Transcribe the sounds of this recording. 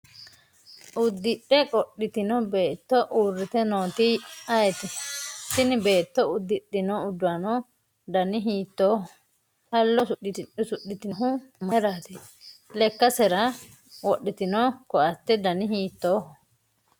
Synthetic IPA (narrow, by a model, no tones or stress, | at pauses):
ʔʊd̪ːɪɗɛkʼɔɗːɪt̪ɪnɔbe̞ːt̪ːɔʔuːrːɪt̪ɛnoːt̪ɪɐjɛt̪ɛsɪnɪbe̞ːt̪ːɔʊd̪ːɪɗːɪnɔʊd̪ːʊɐnɔ | d̪ɐnɪɦiːt̪ːoːhɔ | hɐlːɔsʊɗːɪt̪ɪʊsʊɗːɪt̪ɪɦʊmɐɾaːt̪ɛ | lɛkːɐsɛɾɐ | wɔɗːɪt̪ɪnɔkɔʔɐt̪ːɛd̪ɐnɪɦiːt̪ːoːhɔ